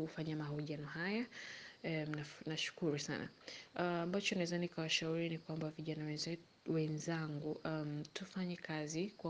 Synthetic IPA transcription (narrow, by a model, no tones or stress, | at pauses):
hufaɲamahɔʄianɔɦaja | m̩nanaʃu̥kuɾusa̰na̰ambat͡ʃɔnawɛzanikawaʃauɾinikwambaviʄanawɛzɛ | wɛnzaŋɡuʔamtufaɲɛkazikwa